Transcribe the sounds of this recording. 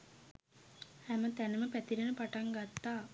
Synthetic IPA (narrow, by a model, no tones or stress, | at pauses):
hæmət̪ænəməpæt̪iɾənəpaʈaŋɡat̪ːaː